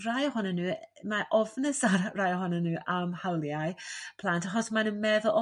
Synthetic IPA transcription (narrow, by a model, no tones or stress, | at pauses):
rajɔhɔnanuːmaʔɔvnəsarajɔhɔnanuːʔamhawlˠjajpʰl̥ˠantaχɔsmanənmɛðəlʔɔ